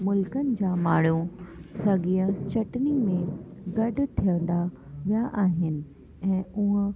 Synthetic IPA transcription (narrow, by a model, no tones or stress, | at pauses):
mʊlkənɪ̆d͡ʑaːmaːɽ̤ũsɐɡiːə̃t͡ɕɐʈnimẽɡɐɖʱʊt̪ʰijə̃nd̪aʋijaʔaːɦɪnɪ̆ | ɛ̃ːʊɦ̆